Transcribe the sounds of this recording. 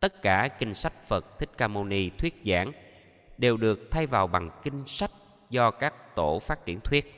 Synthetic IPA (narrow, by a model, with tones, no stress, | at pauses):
t̪ə˦˥t̚kaː˧˩kï˧ŋ̟sa˦˥jk̟̚fə˨˩t̚t̪ʰï˦˥k̟̚kaː˧mo˧ni˧t̪ʰwi˦˥ət̚za̰ː˧˥˦n | ɗe˨˩wɗɨ˨˩ək̚t̪ʰa˧jvaː˨˩wɓa˨˩ŋkï˧ŋ̟sa˦˥jk̟̚ | zɔ˧kaː˦˥k̚t̪o˧˩faː˦˥t̚t͡ɕḭ˧˩ənt̪ʰwi˦˥ət̚